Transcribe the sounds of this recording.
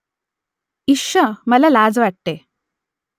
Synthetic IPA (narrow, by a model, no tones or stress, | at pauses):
iʂəməlalad͡zʋaʈ̚t̪e